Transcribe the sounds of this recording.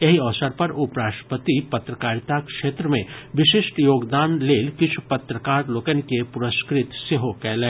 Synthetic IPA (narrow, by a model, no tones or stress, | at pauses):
jɐɦiɔːsəɾpɐɾʊpɾaːʃʈə̥pət̪ipɐt̪ɾəkaːɾt̪akʃeːt̪ɾəmẽʋɪʃɪʃʈjoːɡd̪aːnleːlkɪt͡ʃʰu̥pɐt̪ɾəkaːɾloːkənkepʊɾəskɾɪt̪seɦokɛːlẽː